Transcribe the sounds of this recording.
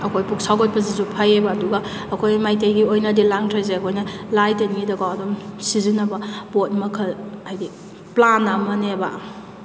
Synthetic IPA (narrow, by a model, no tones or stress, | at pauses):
ɐkʰojpuksawkot̚pɐz̬izupʰajebɐːduɡɐː | kʰojmajtejɡiojnɐdilaŋtʰazeɐkʰojnɐlajtenɡidɐɡawɐdumsizinɐbɐbot̚mɐkʰɐlajdi | planɐmɐnebɐ